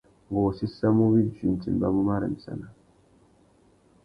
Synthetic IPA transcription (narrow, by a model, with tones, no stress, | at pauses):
ɡo˨si˦sa˦mu˦bi˦˨d͡ʒi˨n˨tḭ˨m˨ba˦mu˦ma˦ɾa̰˨mi˨sa̰˦na˨